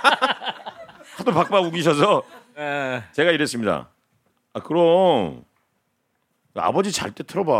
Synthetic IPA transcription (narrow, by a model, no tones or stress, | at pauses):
hadopak̚p͈auɡiɕ̬ʰʌs̬ʰʌ | t͡ɕe̞ɡaiɾe̞s͈ɯmɲida̰ | akɯɾʌ | a̰bʌd͡ʑit͡ɕa̰ɭt͈etʰɯɾʌba